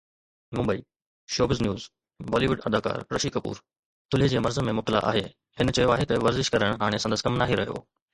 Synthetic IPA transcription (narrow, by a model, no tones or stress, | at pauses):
mʊ̃mbəiː | ʃoːbɪznjuːz | bɔːliʋʊɖɐd̪aːka̰ːɾɾɐʃiːkɐpṵːɾ | t̪ʰʊled͡ʑeːmɐɾzəmẽmʊt̪əla̰ʔa̰ːɦe | hɪnt͡ɕɐjoaːɦet̪ɐʋɐɾzɪʃkɐɾəɽ̃ɦaːɽ̃esɐ̃nd̪əskɐmnaːɦiɾɐɦijo̰ː